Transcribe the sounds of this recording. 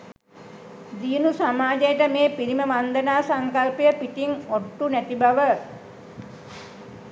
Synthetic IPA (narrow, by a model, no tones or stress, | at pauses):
d̪iːnusamaːd͡ʒəjəʈəmeːpiɾiməʋand̪ənaːsaŋkalpəjəpit̪iŋoʈːunæt̪ibaʋə